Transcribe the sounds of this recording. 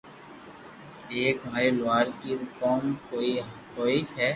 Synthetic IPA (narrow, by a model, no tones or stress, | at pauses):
eːkmaːɾelʊwaːɾkiʊkɔːmkoːiakoːiɦɛː